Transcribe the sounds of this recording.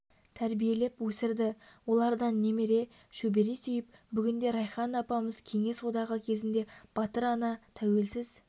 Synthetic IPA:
t̪ʰæɾbije̞le̞pwɵsɪɾd̪ɪwo̞lˠɑɾd̪ɑnːe̞me̞ɾe̞ | ʃɵbe̞ɾesʏjɪp̚bʏɡʲɪnd̪e̞ɾɑjχɑnɑpɑməzkʲʰe̞ŋe̞swo̞d̪ɑʁəkʲʰe̞zɪnd̪e̞b̥ɑt̪əɾɑnɑt̪ʰæwe̞lsɪz̥

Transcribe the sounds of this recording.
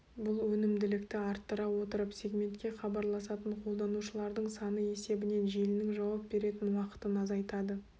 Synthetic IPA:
bʊlˠwɵnɪmd̪ɪlɪkt̪ɪɑɾt̪ːəɾɑwo̞t̪əɾəpse̞ɡmʲe̞nt̪kʲe̞χɑbɑɾlˠɑsɑt̪əɴqʰo̞lˠd̪ɑnuʃəlˠɑɾd̪əɴsɑnəe̞se̞bɪne̞nʒelɪnɪŋʒɑwɑp̚be̞ɾe̞t̪ɪnwɑqə̥t̪ənɑzɑjt̪ɑd̪ə

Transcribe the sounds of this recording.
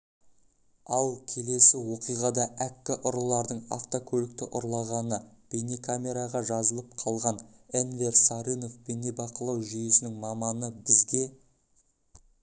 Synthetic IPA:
ɑlˠkʲʰe̞le̞sɪwo̞qijʁɑd̪ɑʔækʲːɪʔʊɾəlˠɑɾd̪əɴa̰ft̪okʲʰɵlɪk̚t̪ɪʔʊɾlˠɑʁɑnə | b̥e̞ne̞kʰamʲe̞ɾaʁɑʒɑzəlˠəp̚qʰɑlˠʁɑnenve̞rsaɾino̞fbene̞bɑqəlˠɑwʒʏjɪsɪnɪŋmɑmɑnəbɪzɡʲe̞

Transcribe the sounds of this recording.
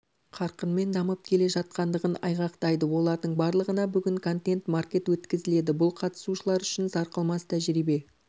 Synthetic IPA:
qʰɑɾqənme̞nd̪ɑməp̚kʲʰe̞le̞ʒɑt̪̚qɑnd̪əʁənɑ̰jʁɑqt̪ɑjd̪əwo̞lˠɑɾd̪əɴbɑɾlˠəʁənɑbʏɡʲɪŋkʰo̞nt̪e̞nt̪markʲe̞t̪wɵt̪kʲɪzɪle̞d̪ɪbʊlˠqʰɑt̪ə̥suʃəlˠɑɾʏʃɪnzɑɾqəlˠmɑst̪ʰæʒɾibe̞

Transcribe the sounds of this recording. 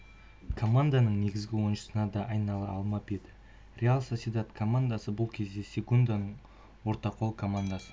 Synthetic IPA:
kʰo̞mand̪anəɴne̞ɡʲɪzɡʲɪwonʃə̥sənɑd̪ɑʔɑjnɑlˠəɑlˠmɑped̪ɪ | rʲealˠsosʲid̪at̪kʰo̞mand̪asəbʊlˠkʲʰe̞zd̪e̞sʲekund̪anəɴ | wo̞ɾt̪ɑqʰo̞lˠkʰo̞mand̪asə̥

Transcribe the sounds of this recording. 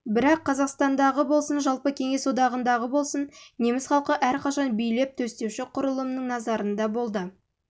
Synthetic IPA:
bɪɾɑqʰːɑzɑqst̪ɑnd̪ɑʁəbo̞lˠsənʒɑlˠpəkʲʰe̞ŋe̞swod̪ɑʁənd̪ɑʁəbo̞lˠsənne̞mɪsχɑlˠqəʔæɾqʰɑʃɑnbijle̞p̚t̪ʰɵst̪e̞wʃɪqʰʊɾəlˠəmnəŋnɑzɑɾənd̪ɑbo̞lˠd̪ə

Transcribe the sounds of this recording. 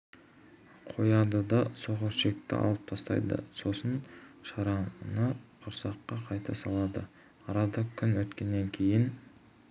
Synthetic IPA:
qʰo̞jɑd̪əd̪ɑso̞ʁəɾʃe̞k̚t̪ɪ̰ʔɑ̰lˠəp̚t̪ʰɑst̪ɑ̰jd̪ə̰so̞sənʃɑɾɑnəqʰʊɾsɑqːɑqʰɑjt̪ʰɑsɑlˠɑd̪ə | ɑɾɑd̪ɑkʲʰʏnwɵt̪kʲe̞nːe̞ŋkʲʰe̞jɪn

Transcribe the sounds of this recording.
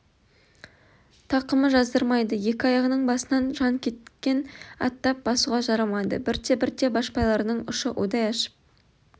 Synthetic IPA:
t̪ʰɑqəməʒɑzd̪əɾmɑjd̪əje̞kʲɪɑjɑʁənəɴbɑsənɑnʒɑŋkʲʰe̞t̪kʲe̞nɑ̰t̪ːɑp̚bɑsuʁɑʒɑɾɑmɑjd̪ə̰bɪɾt̪e̞bɪɾt̪e̞bɑʃpɑjlˠɑɾnəɴʊʃəʔo̰d̪ɑjɑʃə̥p̚

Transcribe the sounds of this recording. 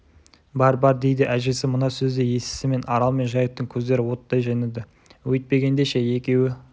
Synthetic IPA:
bɑɾbɑɾd̪e̞jd̪ɪʔæʒesɪmənɑsɵzd̪eje̞sɪ̥sɪme̞nɑɾɑlˠme̞nʒɑjəp̚t̪əŋkʲʰɵzd̪e̞ɾɪwo̞t̪d̪ɑjʒɑjned̪ɪ | wɵt̪̚pe̞ɡʲe̞nd̪eʃe̞je̞kʲe̞wɪ

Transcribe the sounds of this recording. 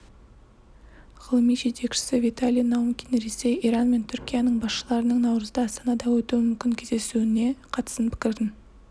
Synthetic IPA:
ʁəlˠəmijʒe̞t̪e̞kʃɪ̥sɪvijt̪alʲijnowmkʲinɾese̞jijɾɑnme̞nt̪ʰʏɾkʲijanəɴbɑsʃəlˠɑɾənəɴnɑwɾəzd̪əɑst̪ɑnɑd̪ɑwɵt̪uwɪmʏmkʲɪŋkʲʰe̞zd̪e̞sune̞qʰɑt̪ə̥sənpʰɪ̥kʲɪɾd̪ʲɪn

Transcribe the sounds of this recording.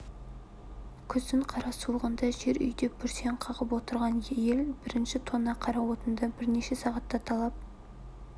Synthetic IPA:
kʲʰʏzd̪ɪɴqʰɑɾɑsuəʁənd̪ɑʒe̞ɾʏ̰jd̪e̞ppʲʰʏɾse̞ɴqʰɑʁəpwo̞t̪əɾʁɑnjeje̞lbɪɾɪnʃɪt̪ʰo̞nːɑqʰɑɾɑwo̞t̪ənd̪ɑbɪɾne̞ʃesɑʁɑt̪ːɑt̪ʰɑlˠɑp̚

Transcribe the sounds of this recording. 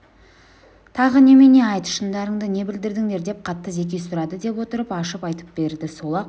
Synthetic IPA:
t̪ʰɑʁəne̞mene̞ɑjt̪əʃənd̪ɑɾəɴd̪əne̞bɪld̪ɪɾd̪ɪŋne̞ɾd̪e̞p̚qʰɑt̪ːəze̞k̬ʲe̞jsʊɾɑd̪əd̪e̞pwo̞t̪əɾəpɑʃəpɑjt̪ə̥p̚b̥e̞ɾd̪ɪsolˠɑq

